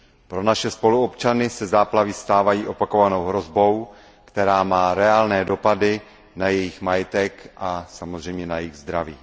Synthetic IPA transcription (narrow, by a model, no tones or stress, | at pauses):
pɾo̞naʃɛspo̞luopt͡ʃanɪsɛzaːplavist̪aːvajiːʔo̞pako̞vano̞wɦɾo̞zbo̞w | kt̪ɛɾaːmaːɾɛaːlnɛːdo̞padɪ | najɛjɪxmajɛt̪ɛkʔasamo̞zr̝ɛjmɲɛnajɛjɪɣzd̪ɾaviː